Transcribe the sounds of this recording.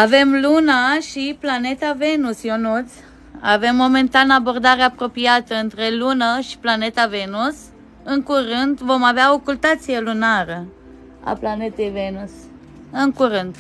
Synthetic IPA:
ave̞mlunaʃiplane̞t̪ave̞nusjonut̪s | a̰ve̞mːo̞me̞nt̪anəabo̞rd̪aɾeapɾo̞piat̪əɨnt̪ɾe̞lunəʃi̥plane̞t̪ave̞nus | ɨŋkuɾɨnt̪vo̞maveaokult̪at̪sije̞lunaɾə | a̰plane̞t̪e̞jvenus | ɨŋkuɾɨnd̪

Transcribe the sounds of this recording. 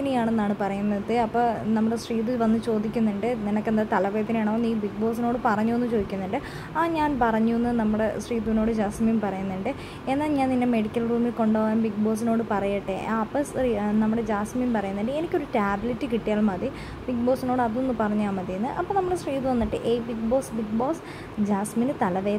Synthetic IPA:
inejaːɳenːaːɳɨpɐrɐjunːɐðɨɐpːoːnɐmːuɽesriːðɨʋɐnːɨt͡ɕo̞ːd̪ikʲːunːuɳɖɨninɐkːe̞nd̪aːt̪ɐlɐʋeːɐt̪ːinejaːɳɐːoniːbik̚bo̞ːsino̞ːɽɨpɐrɐɲːuenːɨt͡ɕo̞ːd̪ikʲːunːɐɳɖɨ | aːɲaːnpɐrɐɲːuenːɨnɐmːuɽe̞sriːðuʋno̞ːɽɨd͡ʑaːsmijumpɐrɐjunːɐɳɖɨ | enːaːlɲaːnninːeme̞ɽikʲːɐlruːmilko̞ɳɖoːʋaːnbiɡ̚bo̞ːs̬ino̞ːɽɨpɐrɐjiʈːeapːɐsinɐmːuɽe̞d͡ʑaːsmijumpɐrɐjunːɐɳɖɨe̞nikʲːo̞ɾutaːbilitːɨkiʈːijaːɭmɐði | bik̚bo̞ːsino̞ːɽɨɐðonːɨpɐrɐɲːaːmɐðijunːɨʔɐpːonɐmːuɽesriːt̪uʋɐnːiʈːɨ̰ʔeːbiɡ̚bo̞ːsbiɡbo̞ːs | d͡ʑaːsminɨt̪ɐlɐʋeː

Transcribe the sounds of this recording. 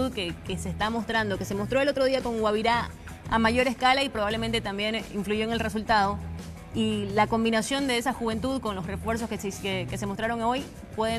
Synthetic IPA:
uðkekeseːst̪amo̞st̪ɾand̪o̞ke̞semo̞st̪ɾo̞elo̞t̪ɾo̞ðiako̞ŋwaβiɾa | a̰maʝo̞ɾe̞skalaipɾoβ̞aβle̞ment̪e̞t̪ambje̞niɱfluʝo̞eŋe̞lre̞sult̪aðo̞ | ilako̞mbinasjo̞nd̪e̞e̞saxuβe̞nt̪uðko̞nlo̞sre̞fwe̞ɾs̬o̞skeseke̞se̞most̪ɾaɾo̞ŋoj | pwe̞ðe

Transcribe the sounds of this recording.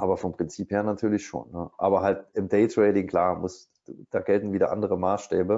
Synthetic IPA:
ʔaːbɐfɔmpʁ̥ɪnt͡siːpheːɐnatʰyːɐlɪçʃo̰ːnːəʔa̰ːbɐɦalt̚ɪmdɛɪtʁɛɪtɪŋkl̥aːɐmʊs | d̥aːɡɛltn̩viːdɐ̰ʔa̰ndəʁəmaːsʃtɛːbə

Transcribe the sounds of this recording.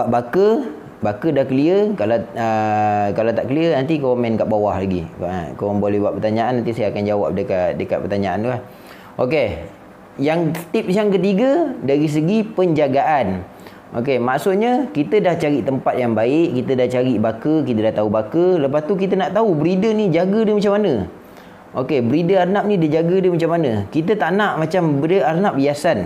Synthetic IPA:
aʔbakə | bakədahkəliəkalaəkalat̪aʔkəliənant̪ikowomɛnkaʔbawahlaɡḭkowaŋbolɛɦbuaʔpərt̪aɲaanːant̪̬isajaakand͡ʒawa̰p̚dəkat̚dəkat̪̚pərt̪aɲaant̪ulah | ʔoke | jaŋt̪ip̚sjaŋkət̪̬iɡədaɾis̬əɡipəɲd͡ʒaɡaʔan | ʔo̰k̬emaʔsʊt̪̚ɲəkit̪ədaht͡ʃaɾiʔt̪əmpat̪̚jaŋbaɪʔkit̪ədaht͡ʃaɾiʔbakəkit̪ədaht̪aubakələpast̪uk̬it̪ənaʔt̪aubəɾidənid͡ʒaɡədəmat͡ʃamːanə | ʔokebəɾidəarnap̚nidəd͡ʒaɡədəmat͡ʃamːanəkit̪ət̪aʔnaʔmat͡ʃambəəarnaʔ̚biasan

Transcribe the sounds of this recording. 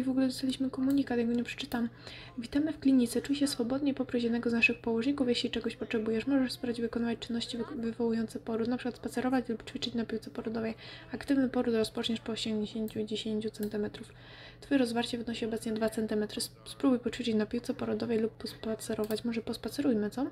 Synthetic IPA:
vɔɡulɛd̪ɔst̪alʲiɕmɘkɔmuɲikat̪jɛɡɔɲɛpʂɛ̥t͡ʂɘt̪am | vʲit̪amɘfklʲiɲit̪sɛt͡ʂujɕɛsfɔbɔd̪ɲeipɔpɾuɕ̬jɛd̪nɛɡɔznaʂɘxpɔwɔʐɲikufjeɕlʲit͡ʂɛɡɔɕpɔtʂɛbujɛʂmɔʐɛʂspɾad͡ʑvɘkɔnawat͡ɕt͡ʂɘnːɔɕt͡ɕivɘvɔwujɔnt̪sɛpɔɾut̪napʂɘkwat̪spat̪sɛɾɔvat͡ɕlupt͡ʂfʲit͡ʂɘt͡ɕnapʲiwt̪sɛpɔɾɔd̪ɔvɛjakt̪ɘvnɘpɔɾut̪ɾɔspɔt͡ʂɲɛʂpɔːɕɛŋɡɲeɕeɲt͡ɕuid͡ʑeɕeɲt͡ɕut̪sɛnt̪ɘmɛt̪ɾuf | fɔjɛɾɔzvaɾt͡ɕɛvɨnɔɕiɔbɛt̪sɲɛd̪vat̪sɛnt̪ɘmɛt̪ɾɘspɾubujpɔt͡ʂfʲit͡ʂɘt͡ɕnapʲiwt̪sɛpɔɾɔd̪ɔvɛjlupːɔspat̪sɛɾɔvat͡ɕmɔʐɛpɔspat̪sɛɾujmɘt̪sɔ

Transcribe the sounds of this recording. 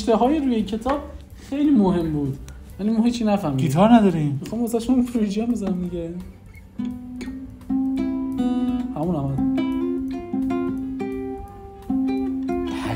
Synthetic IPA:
ʃt̪eɦɒːjeɾuːjecʰe̞t̪ʰɒːb̥̚ | xejliːmoɦe̞mbuːd̪jænimɔɦiːt͡ʃʰinæfæɾmidit̪ʰɒɾnæd̪ɒːɾimmixɔmæzæɾʃpɾud͡ʒiæmbezænæmd̪iɡæ | hæmuːnæmæd̪

